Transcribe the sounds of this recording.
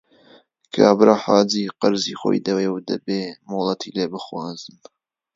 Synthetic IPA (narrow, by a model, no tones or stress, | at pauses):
kʰa̰ːbɾaħaːdiːqɨɾzixo̰jd̪ɐwewd̪ɐ̰beːmɨwlˠɑt̪ʰileːbɨxwɑːzɨn